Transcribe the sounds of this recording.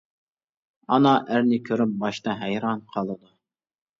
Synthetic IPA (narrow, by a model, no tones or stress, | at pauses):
ɑ̰nɑʔæɾnikʲʰøɾʏp̚bɑʃt̪ɑɦæjɾɑnqʰɑlˠɨd̪ʊ